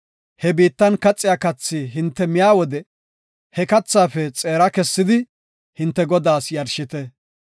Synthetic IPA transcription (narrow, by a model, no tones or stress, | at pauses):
hɛbiːt̪ːɐnkɐt͡sʼːɪjaːkɐt͡sːiɦɪnt̪ːɛmɪjaːwɔd̪ɛ | hɛkɐt͡sːaːfɛt͡sʼeːɾɐkɛsːɪd̪ɪ | hɪnt̪ːɛɡɔd̪aːsjɐɾʃɪt̪ɛ